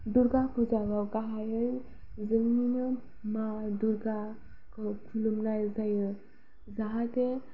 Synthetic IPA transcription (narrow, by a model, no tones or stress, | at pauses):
duɾɡapud͡zabawkaɦajəj | zəŋinə | maduɾɡa | kəpʰulumnajzajə | zaɦat̪e